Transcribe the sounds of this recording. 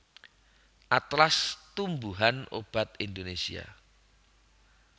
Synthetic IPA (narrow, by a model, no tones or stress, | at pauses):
ʔat̪last̪umbuɦano̰b̥a̤t̪̚ind̪onesḭa̰